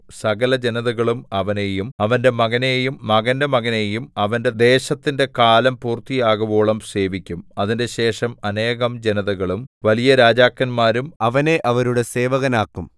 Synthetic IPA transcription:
sɐɣɐlɐd͡ʑe̞nɐðɐɣɐɭumɐʋɐnejumɐʋɐnde̞mɐɣɐne̞jumːɐɣɐnde̞mɐɣɐne̞jumɐʋɐnde̞d̪e̞ːɕɐt̪ːinde̞kaːlɐmpuːrt̪ijaːɣɐboːɭɐmse̞ːʋikʲːumɐðinde̞ɕe̞ːʂɐmɐne̞ːɣɐmd͡ʑe̞nɐðɐɣɐɭumʋɐlijɐɾaːd͡ʑaːkːɐnmaːɾumɐʋɐne̞ʔʔɐʋɐɾuɽe̞se̞ːʋɐɣɐnaːkːum

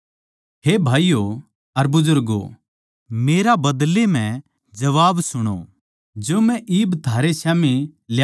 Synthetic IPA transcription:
ɦebʱaːijo | ɐɾbʊzʊɾɡo̰ | meːɾabɐd̪lem̤ɛ̃ | d͡ʒɐʋaːbsʊɽ̃o̰ | d͡ʒoːmɛ̃ʔiːbt̪ʰaːɾesaːmilj

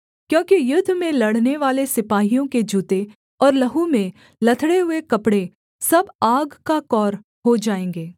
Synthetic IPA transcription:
kjõːkijʊd̪ʱːmẽlɐɽ̤neʋaːlesɪpaːɦijõked͡ʒuːt̪e | ɔːɾlɐɦumẽ | lɐt̪ʰɽeɦʊekɐpɽe | sɐbaːɡkakɔːɾ | ɦod͡ʒaːẽːŋɡeː

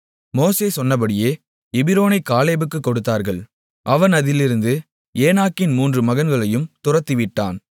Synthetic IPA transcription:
moːseːsɔnːɐp̬ɐɽɪjeː | ɪbɪɾoːnɐɪkaːleːbɯkːɯkːɔɽɯt̪ːaːɾɣɐɭ | ʔɐʋɐnɐðɪlɪɾɯnd̪ɯ | eːnaːkːɪnmuːndrɯmɐɣɐnɡɐɭɐjɯmt̪ʊrɐt̪ːɪʋɪʈːa̰ːn

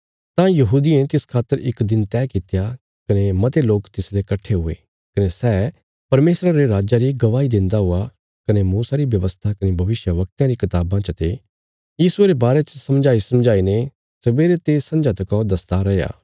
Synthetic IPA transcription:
t̪ãjɐɦuːd̪iẽt̪ɪskʰaːt̪ːəɾɪ̰kd̪ɪnt̪ɛːkɪt̪ja | kɐnemɐt̪eloːkt̪ɪslekɐʈʰːeɦʊḛ | kɐnesɛː | pɐɾmeːsɾaɾeɾaːd͡ʒaɾiɡɐʋaːid̪ɪ̃nd̪aɦʊa | kɐnemuːsaɾibjɐʋəst̪ʰakɐnebʱɐʋɪʃjəʋɐk̚t̪jãɾikɪt̪aːbãt͡ʃɐt̪e | jiːsueːɾebaːɾet͡ʃəsɐmd͡ʒaːisɐ̃md͡ʒaːine | sɐbeːɾet̪eːsɐ̃nd͡ʒat̪ɐkɔd̪ɐst̪aɾɐja̰ː

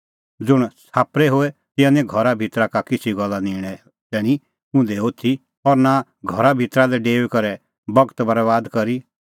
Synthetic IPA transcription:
d͡zʊɽ̃saːpɾɛɦoːɛt̪ɪ̃jãnɛ̃ɡʱɔɾabʱɪt̪ɾakakɪt͡sʰiɡɔlːaniːɽ̃ɛ | t̪ɛːɽ̃i | ʊ̃nd̪ɛot̪ʰi | ɔɾna | ɡʱɔɾabʱɪt̪ɾalɛɖeːʋkɐɾɛ | bɐɡt̪bɐɾɛʋaːd̪kɐɾi

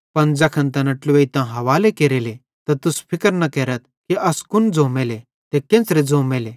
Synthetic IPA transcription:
pɐnd͡ʒɐkʰənt̪ɐnɐʈlʋeit̪ãɦɐʋaːlekeːɾele | t̪ɐt̪ʊspʰɪkəɾnɐkeːɾət̪̚ | kiɐskʊnd͡zõːmeːle | t̪ekẽːnsɾed͡zõːmeːleː

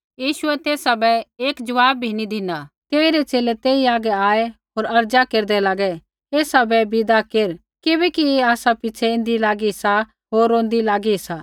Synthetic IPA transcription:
jiːʃʊɛt̪eːsabɛeːkd͡ʒɐʋaːbːʱinid̪ʱɪnat̪eːiɾɛt͡ʃeːlet̪eːiaːɡɛaːeɦoːɾɐɾd͡ʒakeːɾd̪ɛlaːɡɛ | eːsabɛbɪd̪akeːɾ | kɪbɛkieaːsapɪːt͡ʃʰɛɪ̃ːnd̪ilaːɡisa | ɦoːɾːõːnd̪ilaːɡisa

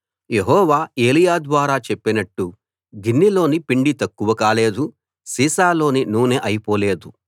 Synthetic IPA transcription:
je̞ɦɔːʋaːe̞ːlijaːd̪ʋaːɾaːt͡ʃe̞pːinɐʈːu | ɡinːilo̞ːnipiɳɖit̪ɐkːuʋɐkaːle̞ːd̪u | siːsaːlo̞ːninuːneːʔɐjipo̞ːle̞ːd̪u

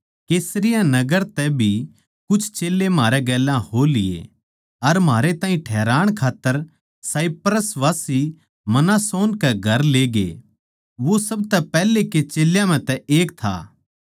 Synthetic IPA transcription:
keːsɾɪjanɐɡəɾt̪ɛbʱi | kʊt͡ʃʰt͡ʃeːlːemaːɾɛɡɛːlãholɪḛ | ɐɾmaːɾet̪ãːɦĩʈʰɛːɾaːɽ̃kʰaːt̪ːəɾ | saːipɾəsʋaːsi | mɐnasoːnkɛɡʱɐɾleːɡḛ | ʋosɐb̚t̪ɛpɛːleket͡ʃeːljãmɛ̃t̪ɛeːkt̪ʰa̰ː

